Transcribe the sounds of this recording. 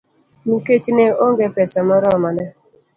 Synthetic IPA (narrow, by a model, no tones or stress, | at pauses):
niket͡ʃineoŋɡepɛsamɔɾɔmanɛ